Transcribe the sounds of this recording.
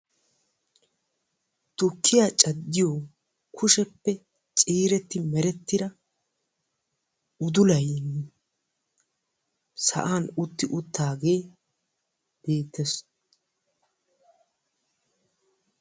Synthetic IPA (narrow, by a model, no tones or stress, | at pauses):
t̪ʊkʰːɪjaːt͡ʃʼɐd̪ːɪjo | kʰʊʃɛpːɛ | t͡ʃʼiːɾɛt̪ːɪmɛɾɛt̪ːɪd̪ɐ | ʊd̪ʊlɐjn | sɐ̰ʔaːnʊt̪ːɪʔʊt̪ːaːɡe̞ː | b̥e̞ːt̪ːɛs